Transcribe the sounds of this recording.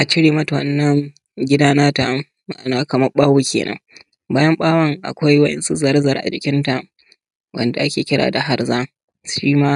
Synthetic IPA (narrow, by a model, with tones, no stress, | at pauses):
ʔa˨t͡ʃɪ˦ɽeː˨mɐ˦tɐ̰˨nːɐ˦ŋ | ɡʲɪ˦daː˦naː˦ta˨ | ma̰˨ʔa˨naː˦kɐ˨mɐ˦ɓaː˦wu˦kʲʰḛː˨nʔɐ̰˦ŋ | baː˦jɐ˦mɓaː˦wɐ˦ŋʔa̰˨kʷa˦jwɐ˦ʔɛ̰˦nsu˦zɐ˨ɾzɐ˨rʔa̰˨d͡ʒɪ˨kʲɪ˦nta˨ | wʔɐ̰˨nda˨ʔa˦kʲeː˨kʲɪ˦ɽa̰ː˨da˨ɦa˨rzaː˦ | ʃiː˦maː˦